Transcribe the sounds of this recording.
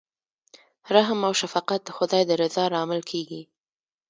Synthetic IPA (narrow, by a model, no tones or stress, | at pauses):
ɾaɦmawʃafɑqat̪̚d̪əxʊd̪ɑjd̪əɾɪzɑɾɑmɪlkʰeɡi